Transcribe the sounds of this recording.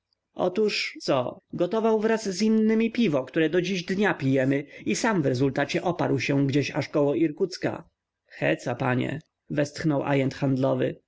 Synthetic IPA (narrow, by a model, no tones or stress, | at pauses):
ʔɔ̰t̪uʂsɔ̰ɡɔt̪ɔvawvɾasːinːɘmʲipʲivɔkt̪uɾɛd̪ɔd͡ʑiʑd̪ɲapʲijɛmɘisamvɾɛzult̪at͡ɕɛʔɔpaɾwɕɛɡd͡ʑeɕaʂkɔwɔʔiɾkut̪ska̰ | xɛ̰t̪sapaɲɛ̰ | vɛst̪xnɔwʔa̰jɛnt̪xand̪lɔvɘ̰